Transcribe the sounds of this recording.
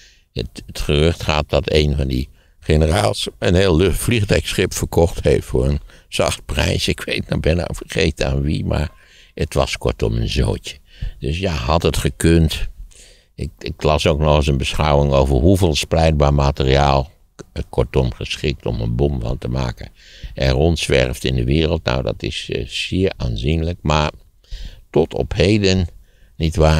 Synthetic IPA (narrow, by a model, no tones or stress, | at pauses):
ətətχərʏxtχaːt̚dɑtejnvɑndi | χenəraːlˠsənheːlˠflixtɛksχɪpfəɹkɔxtheftfʊːɹənz̥ɑ̰xt̚prɛ̰jsɪkʋeːt̚nɔbɪna̰fərχeːtəa̰ːnʋḭma̰ɹ | ətʋɑ̰skɔ̰ɹtɔ̰mənzo̰ːtədøsjaɦɑtətχəkønt | ɪkɪklɑsowknɔχəsənbəsχawwɪŋowvəɹɦuveːlˠsplɛjt̚baːɹmaːtəriaːlˠ | ətkʰɔɹtɔmχəsχɪk̚tɔ̰mə̰nbɔmvɑ̰ntəma̰ːkə̰ | ɛrɔntsʋɛ̰rftɪndəʋɪːrəlˠt̚na̰wdɑ̰tɪ̰ssɪːəɹʔaːnzinləkmaːɹ | tɔtʰɔ̰phejdənː | itʋaː